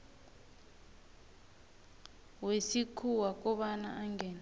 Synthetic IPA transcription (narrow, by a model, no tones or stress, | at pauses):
wesikʰuwak̬ʼɔɓana̰ʔaŋɡɛːna